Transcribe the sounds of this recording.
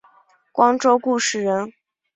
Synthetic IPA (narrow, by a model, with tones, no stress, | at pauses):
kwɑ˥ŋʈ͡ʂo˥ʊku˥˧ʂɻ̩˥˩ɻə˧˥n